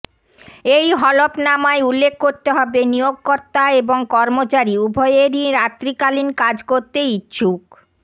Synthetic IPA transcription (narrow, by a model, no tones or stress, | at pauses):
ejɦɔlopnamaeulːekʰːoɾt̪eɦɔbenijoɡ̚kɔɾt̪aeboŋkɔɾmot͡ɕaɾiubʱɔeeɾiɾat̪ːɾikalinkad͡ʑkoɾt̪eitːɕʰuk